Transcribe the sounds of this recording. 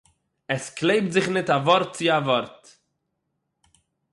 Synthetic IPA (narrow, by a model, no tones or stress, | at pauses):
ɛsklˠeɪp̚tzɪχnɪtavɔɾt̚t͡sɪavɔɾt